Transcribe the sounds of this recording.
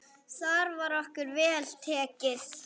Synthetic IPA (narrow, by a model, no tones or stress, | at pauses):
θaɾvaɾɔhkʏɾvɛːlt̪ʰɛːcɪθ